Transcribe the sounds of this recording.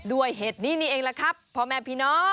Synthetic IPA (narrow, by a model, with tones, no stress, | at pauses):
du˧˩əjɦeː˨˩t̪̚niː˦˥˩niː˧˩ʔeː˧ŋlaː˧˩kʰɾa˦˥pʰːɔ˧mɛː˧pʰiː˧˩nɔː˦˥